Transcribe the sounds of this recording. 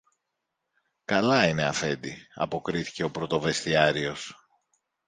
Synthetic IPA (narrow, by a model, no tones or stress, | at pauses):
kɐlɐine̞ɐfe̞nd̪iɐ̰po̞kɾiθi̥ce̞o̞pɾo̞t̪o̞ve̞st̪iɐɾio̞s